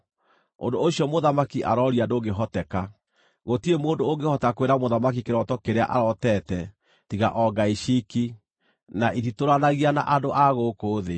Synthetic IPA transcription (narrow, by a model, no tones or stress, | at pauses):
o̰ndoːɕiɔmoðamakiʔa̰ɾɔɾiadoɡeɦɔtɛka | ɣotiemoːndoːŋɡehɔtakweɾamoðamak̬ikeɾɔtɔkeɾea̰ʔa̰ɾɔtɛtɛ | tiɣa̰ʔɔɡaiʃiki | naʔititoɾanaɣiana̰ʔadoʔaɣokoːðe